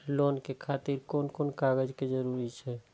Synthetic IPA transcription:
loːnkekʰaːt̪iɾkoːnkoːnkaːɡəd͡ʒked͡ʒəɾuːɾit͡ʃʰɛː

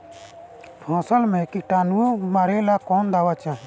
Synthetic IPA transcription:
pʰãːsəlmẽːkiʈaːnuomaɾeːlaːkɔːnd̪aːʋaːt͡ʃãːɦ

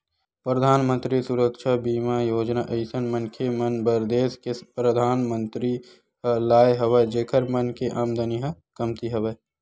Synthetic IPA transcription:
pɾəd̪ʱaːnmə̃nt̪ɾisuɾəkʃabiːmajoːd͡ʒnaʔɐɪsənmɐnkʰemɐnbɐɾd̪eːskepɾəd̪ʱaːnmə̃nt̪ɾi | ɦəlaːeɦɐʋəd͡ʒeːkʰəɾmɐnkeʔaːmd̪əniɦɐkɐmt̪iɦɐʋe

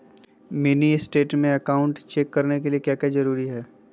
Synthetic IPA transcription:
mɪniɪsʈeːʈmẽɐkaːʊ̃ɳʈt͡ʃeːkːɐɾnek̬eliekjaːkjaːzɐɾuːɾiɦɛː

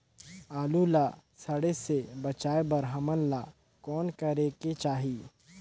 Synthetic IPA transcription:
aːlulasɐɽesebɐt͡ʃaːebɐɾɦəmənla | kɔːnkəɾeːket͡ʃaːɦiː

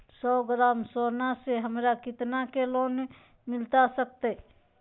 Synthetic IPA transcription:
sɔːɡɾaːmsoːnaseɦəmɾakɪt̪nakeloːn | mɪlt̪asək̚t̪e

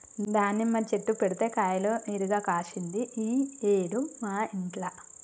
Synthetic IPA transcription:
d̪aːnːimat͡ʃe̞ʈːupeɽut̪e̞ːkaːjlo̞ːniːɾuɡaːkaːʃind̪iʔieːɽumaːiɳʈlɐ

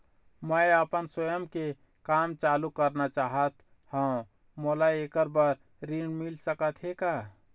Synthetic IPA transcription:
məeəpənswəjəmke | kamt͡ʃalukəɾnat͡ʃaɦət̪ | hə̃ | molaekəɾbəɾ | ɾiɳɖmilsəkət̪ɦeka

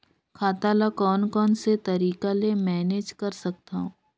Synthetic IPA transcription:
kʰaːt̪alakɔːnkɔːnset̪ɐɾiːkalemɛːneːd͡ʒkɐɾsɐk̚t̪aɦũː

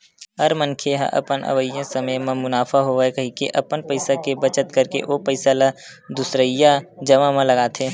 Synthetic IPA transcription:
ɦəɾmənkʰeɦa̰ʔə̰pənə̰ʋəjːãsəməjmẽmʊnaːfʰaɦoʋkɐɦikeʔɐpənpəɪsakebət͡ʃət̪kəɾkḛʔopəɪsala | d̪ʊsɾəjad͡ʒəʋamẽləɡaːt̪ʰeː

